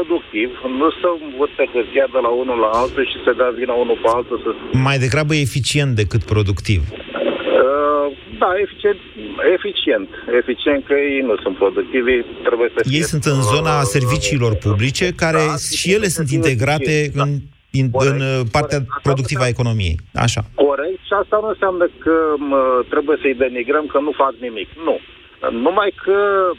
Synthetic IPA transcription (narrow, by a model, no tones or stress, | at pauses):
pɾod̪uk̚t̪ivnusəɱvɨt̪p̪ekəziad̪əlaunulaalt̪uʃised̪eavinəunupealt̪usəmajd̪e̞ɡɾabəjeefit͡ʃie̞nt̪̚d̪e̞kɨt̪pɾo̞d̪ukt̪ḭv | əd̪aefi̥t͡ʃen | efit͡ʃie̞nt̪e̞fit͡ʃient̪̚kəjejnusunt̪pɾo̞d̪uk̚t̪ivit̪ɾe̞bujesəjejsunt̪ɨnzo̞nase̞rvit͡ʃiːlo̞rpublit͡ʃe̞kaɾe̞ʃije̞le̞sunt̪̬int̪e̞ɡɾat̪e̞ɨn | iɨnpart̪eapɾo̞d̪uk̚t̪ivae̞ko̞no̞mije̞̰ja̰ʃa̰ko̞ɾe̞k̚t̪ʃiast̪anunseamnəkəət̪ɾe̞buje̞səijd̪e̞miɡɾəmkənufaknimiknu | numajkʰə